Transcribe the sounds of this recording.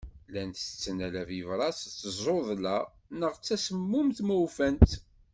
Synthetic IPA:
lænt̪ə̥t͡sːənælævivɾˤɑst͡sːəzˤoðˤlæ | nəʁt͡sːæsəmːʊmθmuwfænt̪

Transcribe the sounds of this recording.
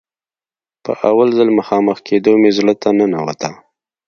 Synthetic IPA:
pə̰ʔawalzəlməxɑməxkʰed̪omezlət̪anənawa̰t̪a

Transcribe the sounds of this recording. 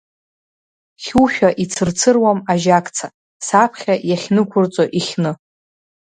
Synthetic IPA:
χʲuʃᶣaʔit͡sʰɨrt͡sʰɨrwamaʒakʼt͡sʰa | sapʰχʲajaχʲnɨkʷʰʊrt͡sʼoʔiχʲnɨ

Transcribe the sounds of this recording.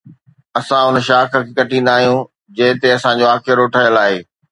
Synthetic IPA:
ɐsãʊnʃaːkʰə̆kʰeːkɐʈĩnd̪aːɦijũː | d͡ʑɐ̃ɦɪ̃t̪eɐsãd͡ʑoaːkʰeəɾoːʈʰaːjəlaːɦeː

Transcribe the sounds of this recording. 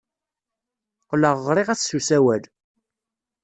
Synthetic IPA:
qləʁːɾˤiʁæθsusæwæl

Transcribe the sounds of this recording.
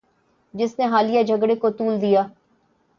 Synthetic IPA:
d͡ʒɪsneɦaːlijad͡ʒʱəɡɽekot̪uːld̪ijaː

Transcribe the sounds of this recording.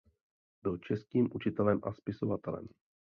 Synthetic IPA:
bɪlt͡ʃɛskiːmʔut͡ʃɪt̪ɛlɛmʔa̰spɪso̞vat̪ɛlɛ̰m

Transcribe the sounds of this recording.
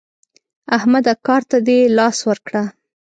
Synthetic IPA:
ahmad̪akɑɾt̪ad̪elɑswəɾkɽa

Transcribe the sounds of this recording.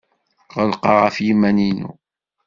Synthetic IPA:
ʁəlqɑʁɑfjimæninṵ

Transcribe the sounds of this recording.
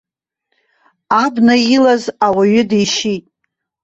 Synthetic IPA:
abnailazawaɥʏdejʃitʼ

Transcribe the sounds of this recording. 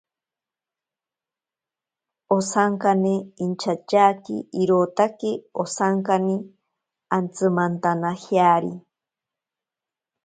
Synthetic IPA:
osaŋkaneint͡ʃʰat͡ʃaːkḭiɾoːt̪akeosaŋkani | ant͡sɨmant̪anahjaːɾi

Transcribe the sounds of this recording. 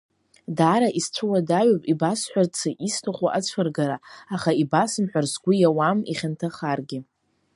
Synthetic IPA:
daːɾaʔist͡ɕʷʰɨwadaɥopʼibasħʷart͡sʰaʔistʰaχʷaʔat͡sʷʰarɡaɾaaχaibasɨmħʷarzɡʷʊjawamḭχʲantʰaχarɡʲɪ

